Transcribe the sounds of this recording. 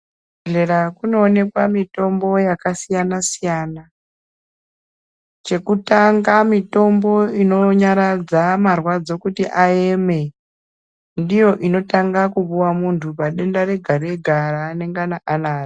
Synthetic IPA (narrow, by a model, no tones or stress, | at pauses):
ɮe̞ɾakuno̞ːne̞kwamito̞mbo̞jakasijanasijana | t͡ʃe̞kutaŋɡamito̞mbo̞ino̞ɲaɾad͡zamarwad͡zo̞kutiʔaeme̞ | ndijo̞ʔino̞taŋɡakuɓuwamuntʰupaɗe̞ndare̞ɡʱaɾeɡʱarane̞ŋɡanaʔanaːri